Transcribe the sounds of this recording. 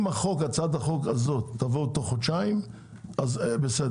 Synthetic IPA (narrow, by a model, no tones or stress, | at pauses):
maχokat͡sad̪haχokazot̪ːavot̪oχot͡ʃaim | azbesed